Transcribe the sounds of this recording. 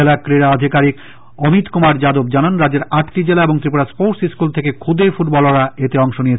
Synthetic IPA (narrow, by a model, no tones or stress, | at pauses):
elakɾeɾaad̪ʱikaɾik | omit̪kumaɾd͡ʑad̪obd͡ʑananɾad͡ʑeɾaʈʈid͡ʑelaeboŋt̪ɾip̬oɾaspoʈsiskult̪ʰekekʰud̪ʱefuʈ̚bɔloɾaet̪eɔŋʃonijet͡ɕʰ